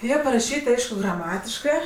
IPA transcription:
ˈjiɛ pɐrɐˈʃʲiːtʲ ˈɐɪʃkʊ ɡrɐˈmɑːtʲɪʃkɜ

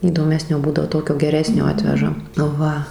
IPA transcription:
iːdoːˈmʲæːsʲnʲoː ˈbuːdɐʋoː ˈtoːkʲoː ɡʲɛˈrʲæːsʲnʲoː ˈɑːtʲʋʲɛʒɐ ˈʋɐ

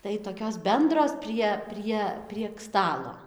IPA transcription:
tɐɪ toːˈkʲoːs ˈbʲɛndroːs ˈpʲrʲiɛ ˈpʲrʲiɛ pʲrʲiɛk ˈstɑːlˠoː

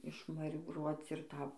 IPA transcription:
ɪʃmɐrʲɪbˈruɔt͡s ɪr ˈtɐ

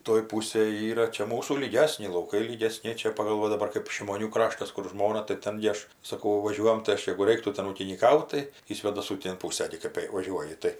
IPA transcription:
toːj ˈpuːsʲeːj ˈiːrɐ ˈt͡ʃʲɛ ˈmuːsuː lʲiːˈɡʲæːsʲnʲɪ lˠɐʊˈkɐɪ lʲiːɡʲɛˈsʲnʲɪ ˈt͡ʃʲɛ pɐɡɐlˠ ˈʋɐ dɐˈbɐr kɜp ʃʲɪmoːˈnʲuː ˈkrɑːʃtɐs ˈkʊr ˈʒmoːnɐ tɐɪ ˈtʲɛn ɡʲɪ ˈɐʃ sɐˈkɐʊ ˈʋɑːˈʒʲuɔjɛm tɐɪ ˈɐʃ jɛɡʊ ˈrʲɛɪktuː ˈtʲɛn uːkʲɪnʲiːˈkɐʊt tɐɪ iː sʲʋʲeːdɐˈsuː ˈtʲeːn ˈpuːsɐ ɡʲɪ ˈkɜp jɛɪ ʋɐˈʒʲuɔjɪ ˈtɐɪ

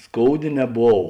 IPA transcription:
ˈskoːʊˌdʲeː nʲɛˈboːw

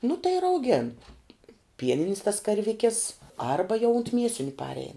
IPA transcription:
nʊ tɐɪ ɪr ɐʊˈɡʲeːn ˈpʲiɛnʲɪnʲɪs tɐs kɐrʲˈʋʲɪkʲɪs ˈɐrbɐ jɛʊ ʊnt ˈmʲiɛsʲɪnʲʊ ˈpɑːrʲɛɪn

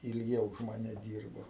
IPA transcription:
ɪlʲˈɡʲɛʊ ʊʃ mɐˈnʲɛ ˈdʲiːrboː

